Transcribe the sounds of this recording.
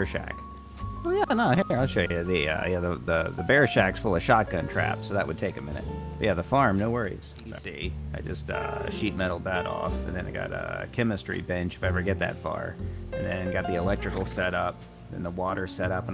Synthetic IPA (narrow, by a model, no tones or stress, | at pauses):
ʃæ̰k | ojænoʊhiaɪlˠʃoʊjɨðiʌ̰jæðəðəðɨbɛɹʃæksfʊlˠəʃɑk̚ɡ̥ʌ̃ntʰɹ̥æ̰psoʊðəʔ̚wɨd̚tʰeɪkɨmɪ̃nɨ̰t̚ʌjæðəfɑɹmnoʊwɜ˞ḭz̥ | iaɪd͡ʒʌstʌ̰ʃit̚mɛɾl̩ˠbæɾɔ̰fɨ̰̃nðɨ̃na̰ɪɡɑ̰ɾʌ̰kʰɛmɨstɹ̥ḭbɛ̃nt͡ʃɨ̥faɪɛvə˞ɡɛt̪̚ðɨ̰tfɑ̰ɹɨ̃nðɨ̃ɡɑt̪̚ðiɨlɛk̚tɹ̥ɨkl̩ˠsɛɾʌp̩̚ | ðɨ̰̃nðəwɔɾə˞sɛɾʌpə̃n